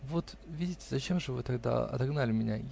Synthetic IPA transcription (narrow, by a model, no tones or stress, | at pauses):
vo̞t̪ | vʲidʲɪtʲɪ̥zɐt͡ɕe̞mʐɨvɨt̪ɐɡ̚d̪a̰ɐ̰t̪ɐɡnalʲɪmʲɪnʲaj